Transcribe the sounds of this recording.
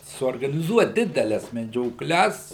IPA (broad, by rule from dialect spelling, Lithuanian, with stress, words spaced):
suɔrɡɐnʲɪˈzuɔt ˈdʲɪdʲɛlʲɛs mʲɛd͡ʒʲoːˈklʲɛs